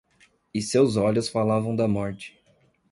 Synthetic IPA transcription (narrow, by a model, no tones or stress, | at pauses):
ɪsewzɔʎʊsfalavɐ̃w̃d̪ɐmɔɾt͡ʃɪ̥